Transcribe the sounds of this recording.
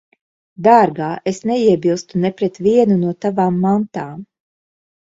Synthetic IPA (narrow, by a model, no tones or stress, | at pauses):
d̪aːɾɡaːʔesnɛiɛbilˠst̪unɛpɾɛt̪viɛnunuɔt̪avaːmːant̪aːm